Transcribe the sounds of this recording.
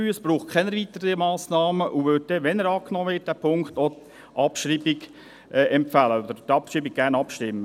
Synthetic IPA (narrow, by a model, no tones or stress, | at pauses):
yəsb̥ɾuːχkʰɛnəɾʋit̪əɾəimɑːsnɑːməʔuʋøt̚dɛʋɛnəɾɑːknɔːʋɪːt̚d̥æpʰʊŋkχt̪ɔ | ʔɑpʃriːbɪɡ | ɛʔɛmpfæləɔd̪əɾtɑpʃɾiːbiɡ̚ɡ̥ærnɑpʃtɪmːə